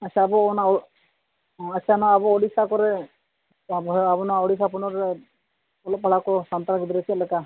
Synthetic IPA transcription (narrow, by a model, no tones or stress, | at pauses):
at͡ʃabɔna | asanɔaabɔːɽisakɔɾɛ | bɔabɔnɔaɔɽisapunɔɾɛ | ɔlɔpaɽakɔsant̪aɾɡud̪iɾɛt͡ʃʰlɛka